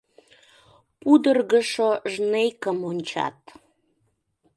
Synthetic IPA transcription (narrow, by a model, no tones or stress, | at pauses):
pud̪ərɣəʃoʒnejkəmonʲt͡ɕɑ̰t̪